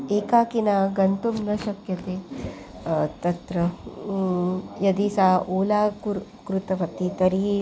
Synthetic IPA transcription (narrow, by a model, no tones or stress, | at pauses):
eːkaːkinaːɡɐnt̪umnɐʃɐkjɐt̪eː | t̪ɐt̪ɾɐ | jɐd̪isaːʔoːlaːkuɾkɾut̪ɐʋɐt̪ːit̪ɐɾi